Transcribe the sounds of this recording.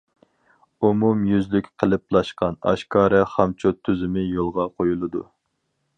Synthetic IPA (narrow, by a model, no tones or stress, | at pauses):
umumjyzlykʲqʰəlˠɨplˠɑʃqɑnɑ̰ʃkʰɑːɾɨχɑmt͡ʃʰot̪ʰːyzɪmɪjolˠʁɑqʰojulˠɨd̪ṵ